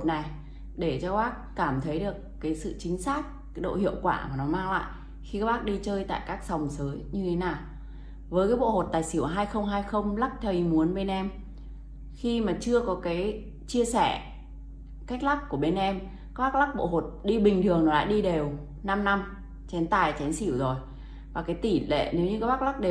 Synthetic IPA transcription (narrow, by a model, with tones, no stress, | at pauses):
t̚na˨˩j | ɗe˧˩t͡ɕɔ˧ɓaː˦˥k̚kaː˧˩mt̪ʰə˨˦jɗɨ˨˩əkːaː˨˦jsɨ̰˧˨t͡ɕï˨˦ŋ̟saː˦˥k̚ːɗo̰˧˨hḭ˧˨əwkwaː˧˩maː˨˩nɔ˨˦maː˧ŋla̰ː˧˨j | xi˧kaː˦˥ɓaː˦˥k̚ɗi˧t͡ɕəː˧jt̪a̰ː˧˨jkaː˦˥k̚sa˨˩wŋ͡msəː˨˦jɲɨ˧t̪ʰe˨˦naː˨˩w | vəː˨˦jk̬aː˨˦jɓo̰˧˨ho˨˩t̚t̪aː˨˩jsi˧˩ə˩ɦaː˧jxə˧wŋ͡mɦaː˧jxə˧wŋ͡mla˦˥k̚t̪ʰə˨˩mu˨˦ənɓe˧nʔɛ˧m | xi˧maː˨˩t͡ɕɨ˧əkɔ˨˦kaː˨˦j | t͡ɕi˧əsɛ˧˩ | ka˦˥jk̚la˦˥k̚kːu˧˩əɓe˧nʔɛ˧m | ka˦ɓaː˦˥k̚la˦˥k̚ɓo̰˧˨ɦo˨˩t̚ɗi˧ɓï˨˩ŋ̟t̪ʰɨ˨˩əŋnɔ˨˦la̰ː˧˨ɗi˧ɗe˨˩w | na˧mna˧m | t͡ɕɛ˨˦nt̪aː˨˩jt͡ɕɛ˨˦nsi˧˩əwzo˨˩j | vaː˨˩kaː˨˦jt̪i˧˩lḛ˧˨ne˨˦wɲɨ˧kaː˨˦jɓa˦˥la˦˥k̚ɗe˨